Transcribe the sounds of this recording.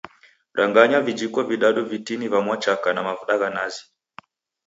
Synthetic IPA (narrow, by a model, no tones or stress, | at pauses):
ɾaŋɡaɲavid͡ʒikɔviɗaɗuvitinivamwat͡ʃakanamavuɗaɣanazi